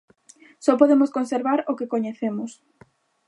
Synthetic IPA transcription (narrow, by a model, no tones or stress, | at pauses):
sɔpoðemʊskonseɾβaɾokekoɲeθemʊs